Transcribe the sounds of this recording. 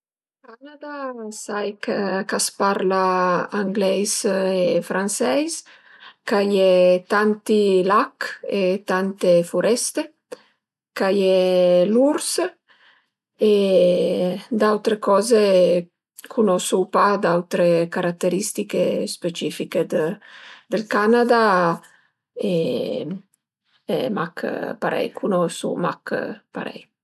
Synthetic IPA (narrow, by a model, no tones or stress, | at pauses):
kanad̪asajkkaspaɾlaaŋɡlɛjsefɾʔansɛjs | kajɛt̪ant̪ilaket̪ant̪efuɾɛst̪e | kajɛluɾs | e | d̪awt̪ɾekɔːze | kʰunosupad̪awt̪ɾekaɾat̪ːeɾist̪ikespet͡ʃifiked̪ | d̪elkanad̪a | e | ɛ̰makpa̰ɾɛ̰jkʰunosṵma̰kpa̰ɾɛ̰j